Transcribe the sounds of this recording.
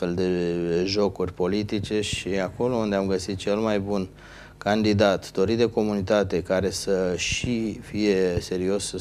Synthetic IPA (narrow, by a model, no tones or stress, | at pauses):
fe̞ld̪e̞ʒo̞kurʲpo̞lit̪it͡ʃe̞ʃiako̞lo̞und̪eamɡəsit̪̚t͡ʃe̞lmajbun | kand̪id̪at̪d̪̥o̞ɾit̪d̪e̞ko̞munit̪at̪e̞kaɾe̞səʃifije̞se̞ɾio̞sə